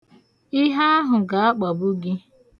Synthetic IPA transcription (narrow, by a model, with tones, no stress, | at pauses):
ɪ˦ɦa˦a˦ɦʊ˨ɡa˨˦a˦k͡pa˨bʊ˦ɡɪ˦